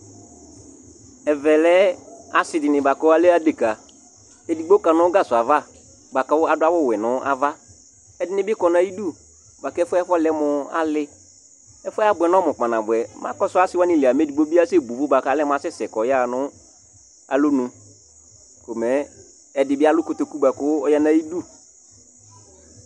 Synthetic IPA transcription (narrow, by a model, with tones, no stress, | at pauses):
ɛ˨vɛ˨lɛ˦a˨sɪ˨dɪ˨nɪ̃˨ba˨kɔ˦a˦le˦a˦de˨ka˨ | e˨di˨ɡ͡bo˦ka˨nʊ̃˦ɡa˦sʊ˨a˨va˦˨ | ba˨ka˨˦wʊ˦a˨dʊ˦a˦wʊ˦˨wɛ˨nʊ̃˦a˨va˦ | ɛ˨dɪ˨nɪ̃˦bɪ˦kɔ˨nã˨ji˦du˦˨ | ba˨kɛ˦fɛ˦flɛ˦mʊ˨a̰˨lɪ˦ | ɛ˦fʊ˦a˦bʊ˨ɛ˨nɔ˦mʊ̃˨k͡pa˨nã˨bʊ˨ɛ˨ma̰˦kɔ˦sʊ˦a˦sɪ˦wa˦nɪ˨li˨a˨me˨˦di˨ɡ͡bo˦bi˦a˦se˦bu˨vʊ˦ba˨ka˨˦lɛ˦mʊ˨a˨sɪ˦sɛ˨kɔ˨ja˦˨nʊ̃˦ | a̰˨lʊ˦nũ˨ | ko˨mɛ˨˦ | ɛ˨dɪ˨bɪ˦a˦lʊ˦kʊ˨to˨ku˦ba˨kʊ˦wʊ˦ɔ˦ja˦nã˨˦ji˦du˦